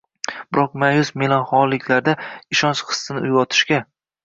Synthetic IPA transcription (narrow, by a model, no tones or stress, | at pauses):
b̥ɪɾɒq̚majʊsmelˠɒnχɒlɪkʲlaɾd̪aɪʃɒnt͡ʃχɨ̥sːɨnɪʔʊjwɒt̪ʰɪ̥ʃkʲa